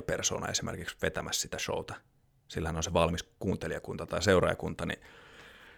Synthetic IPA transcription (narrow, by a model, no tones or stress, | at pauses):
perso̰ːnɑ̰esimʔḛrkiksʋet̪æmæssit̪æʃo̰ut̪ɑ̥ | silːhænonseʋɑlmiskuːnt̪eliɑkunt̪ɑt̪ɑiseurɑ̰jɑkunt̪ɑnḭ